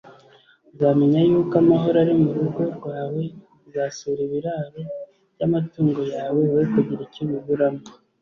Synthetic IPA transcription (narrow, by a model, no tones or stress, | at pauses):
zaːme̞ɲajuːkamaɦo̞ɾaɾimuɾuɾɡo̞ɾɡwaːwe̞ | zaːsuːɾiβiɾaɾo̞ | ɟamatuːŋɡo̞jaːwe̞βeikuɟiɾiciβiβuɾama